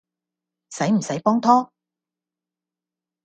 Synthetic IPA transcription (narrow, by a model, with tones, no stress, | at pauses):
sɐ˨˥jm̩˨˩sɐ˨˥jpɔː˥ŋt̪ʰɔː˥